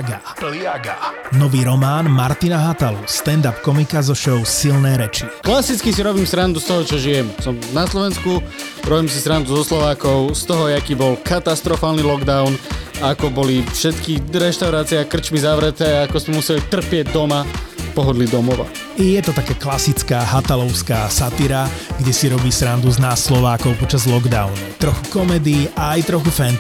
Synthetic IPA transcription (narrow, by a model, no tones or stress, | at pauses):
ɡa | plaɡanɔʋiːɾɔmaːnmaɾt̪inaɦat̪alust̪ɛnd̪apkɔmikazɔʃɔʊsilnɛːɾɛt͡ʃiklasit͡skisiɾɔbiːmsɾand̪ust̪ɔɦɔt͡ʃɔʒijɛmsɔmnaslɔʋɛnsku | ɾɔbiːmsisɾand̪uzɔslɔʋaːkɔʊst̪ɔɦɔjɛakiːbɔlkat̪ast̪ɾɔfaːlnilɔɡd̪aʊnaakɔbɔlifʃɛt̪kiɾɛʃt̪aʊɾaːt͡siɛakr̩t͡ʃmizaʋɾɛt̪ɛːaakɔsmɛmusɛlit̪r̩pɪɛɟd̪ɔmapɔɦɔd̪lid̪ɔmɔʋa̰ | ijɛt̪ɔt̪akɛːklasit͡skaːɦat̪alɔʊskaːsat̪iɾaɡɟɛsiɾɔbiːsɾand̪uznaslɔʋaːkɔʊpɔt͡ʃazlɔɡd̪aʊnut̪ɾɔxukɔmɛd̪iaːjt̪ɾɔxufɛn